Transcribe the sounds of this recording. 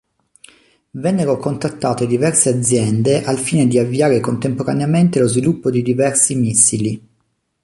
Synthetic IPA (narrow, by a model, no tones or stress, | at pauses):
vɛnːeɾokont̪at̪ːaːt̪ed̪ivɛrsead̪zjɛnd̪eʔalfiːned̪iavːiaːɾekont̪empoɾaneament̪elozvilupːod̪id̪ivɛrsimisːili